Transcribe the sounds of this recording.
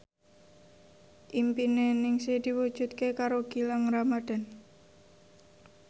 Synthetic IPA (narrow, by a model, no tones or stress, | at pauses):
ʔimpinenɪŋsed̪̥iwud̥ʒ̥ut̪̚kekaɾoɡ̥ilaŋramad̪̥a̤n